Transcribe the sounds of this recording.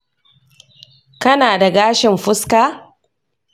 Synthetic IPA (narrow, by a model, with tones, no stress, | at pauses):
kɐ˦naː˨da˨ɡaː˦ʃɪ˨mɸʊ˦skaː˦˨